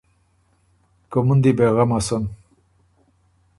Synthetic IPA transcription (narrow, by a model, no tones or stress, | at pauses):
komund̪ibeɣamason